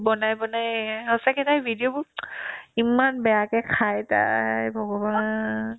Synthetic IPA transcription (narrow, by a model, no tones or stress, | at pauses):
bɔnajbɔnajɦɔsakʰɛtajbʱidiobʊ | imanbɛjakɛkʰajta̰jbʱɔɡɔba